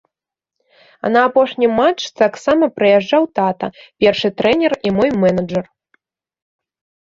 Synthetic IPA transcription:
ɐ̰nɐːpɔʂnʲimat͡ʂt̪aksamɐpɾɨjaʐːawt̪at̪ɐ̰pʲɛrʂɨt̪ɾɛnʲɛrimɔjmɛnɐd͡ʐɐr

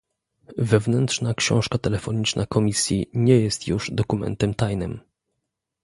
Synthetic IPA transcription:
vɛvnɛnt̪ʂnakɕɔ̃w̃ʂkat̪ɛlɛfɔɲit͡ʂnʔakʰɔmʲisʲjiɲɛjɛst̪juʐd̪ɔkumɛ̰nt̪ɛmt̪ajnɘm

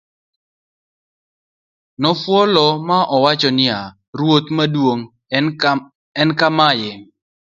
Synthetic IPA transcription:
nɔfwɔlɔmaʔɔwat͡ʃɔnɪa | ɾwot̪madwoŋ | ɛnkamajɪ

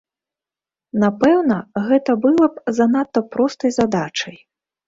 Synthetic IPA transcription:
napɛwnɐɣɛt̪ɐbɨlˠɐpzanat̪ːɐpɾɔst̪ɐjzad̪at͡ʂɐj

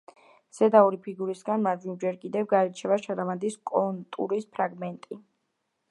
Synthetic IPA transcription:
z̥ɛd̪aɔɾipʰiɡuɾisɡanmad̪imd͡ʒɛɾkʼid̪ɛvɡaɾɛt͡ʃʰɛvaʃaɾavand̪iskʼɔnt̪ʼṵɾispʰɾaɡmɛnt̪ʼi

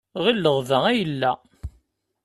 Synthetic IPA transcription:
ʁilːəʁvææjəlːæ

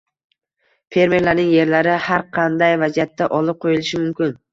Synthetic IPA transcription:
fe̞ɾme̞ɾlaɾnɪŋje̞ɾlaɾɪhaɾqʰɑnd̪ajvazijat̪ʰːaʔɒlˠɪp̚qʰojɪlˠɪʃɪmʊmkʲɪn

